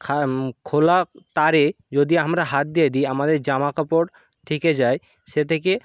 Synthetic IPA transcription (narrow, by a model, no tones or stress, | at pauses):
kʰakʰolat̪aɾe | d͡ʑod̪iamɾaɦat̪̚d̪ijed̪ieamad̪eɾd͡ʑamakapoɽ | t̪ʰeked͡ʑae | ʃet̪ʰeke